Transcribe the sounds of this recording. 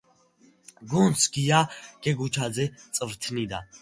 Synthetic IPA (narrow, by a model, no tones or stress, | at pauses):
ɡunsʰɡijaɡ̥ɛɡut͡ʃʰazɛt͡sʼvt̪ʰnid̪a̰